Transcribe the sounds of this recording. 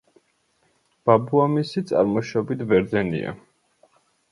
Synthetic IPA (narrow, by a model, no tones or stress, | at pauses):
b̥abuamisit̪sʼa̰ɾmɔʃɔbit̪ʰvɛɾd̪zɛnḭa̰